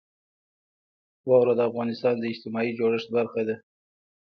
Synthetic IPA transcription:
wɑwɾad̪əafɣɑnɪst̪ɑnd̪əɪd͡ʒt̪ɪmɑid͡ʒoɽəʃt̪̚baɾxad̪a

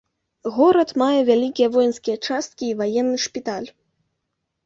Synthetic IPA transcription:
ɣoɾət̪majɛvʲælʲikʲijɛvojnskʲijɛt͡ʂast̪̚kʲiːvajɛnːɨʂpʲit̪alʲ

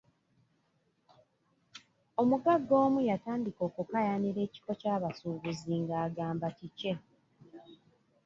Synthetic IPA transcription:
o̞muɡaɡːo̞ːmujataːndiko̞ːkukajaniɾe̞ːci̥ko̞caːβasuːβuziŋɡaːɡaːmbatice̞

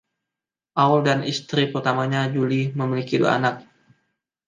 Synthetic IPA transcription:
ʔawldanʔist̪ɾipərt̪amaɲad͡ʒuliməmilikidua̰a̰nak̚

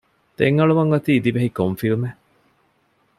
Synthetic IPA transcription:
t̪eŋɐɭuʋɐŋɡɐt̪iːd̪iʋeɦikomfilme

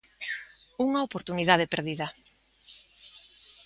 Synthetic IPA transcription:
uŋaopoɾt̪uniðaðepeɾðiðɐ

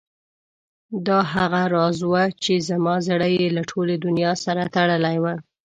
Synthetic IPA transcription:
d̪ɑɦaɣaɾɑzwat͡ʃezamɑzaɽəjelaʈʰoled̪ʊnjɑsaɾat̪aɽəlajwa

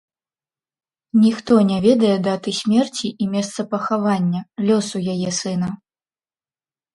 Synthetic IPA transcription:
nʲixt̪ɔnʲavʲɛd̪ɐjɛd̪at̪ɨsʲmʲɛrt͡sʲiimʲɛst̪sɐpɐxavanʲːɐlʲɔsujajɛsɨnɐ

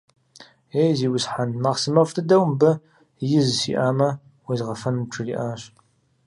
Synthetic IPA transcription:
ejziːwʊsħanmaːʁsɨmɐfʷtʰɨdɐwmbɐ | jɪzsḭʔaːmɐ | wizʁɐfɐnmʈ͡ʂʰɨriːʔaːɕ

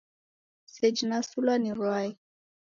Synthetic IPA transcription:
sɛd͡ʒinasulaniɾwai

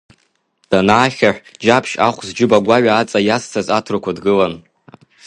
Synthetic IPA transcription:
d̥anaːχʲaħʷᶣd͡ʒapʰʃaχʷzd͡ʒɪbaɡʷaɥaːt͡sʼajastʰazatʰrakʷadɡɨlan

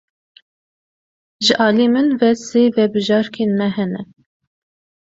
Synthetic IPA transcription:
ʒɨʔɑːliːmɨnvɛseːvɛbɨʒɑːɾkʰenmɛɦɛnɛ

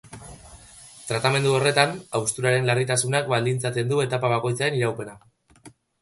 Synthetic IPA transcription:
t̪ɾat̪ame̞nd̪uo̞re̞t̪anawst̪uɾaɾe̞nlarit̪asunakbald̪int͡sat̪e̞nd̪ue̞t̪apaβ̞ako̞jt͡sae̞niɾawpe̞na

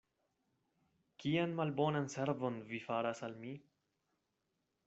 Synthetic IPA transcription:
kianmalbonanseɾvonvifaɾasalmi

